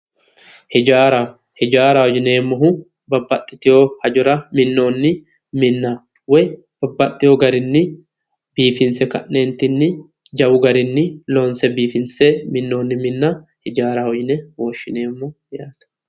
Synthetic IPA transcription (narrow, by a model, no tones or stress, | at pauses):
hɛd͡ʒaːɾa | hɛd͡ʒaːɾahɔd͡ʒɪneːmːɔɦʊ | bɐbːɐt̪ʼːɪt̪ɪjoːhɐd͡ʒʊɾɐmɪnːo̞ːnːɪ | mɪnːa | wɔj | b̥ɐbːɐt̪ʼːɪjoːɡɐɾɪnːɪ | biːfɪnsɛkɐ̰ʔːeːnt̪ɪnːɪ | d͡ʒɐwʊɡɐɾɪnːɪloːnsɛbiːfɪnsɛmɪnːo̞ːnːɪmɪnːɐhɛd͡ʒaːɾahɔd͡ʒɪnɛwoːʃːɪneːmːɔ | jaːt̪ɐ̥